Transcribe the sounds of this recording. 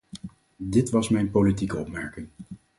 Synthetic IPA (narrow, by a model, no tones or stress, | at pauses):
dɪtʋɑsmɛjnpolitikəɔpmɛɹkɪŋ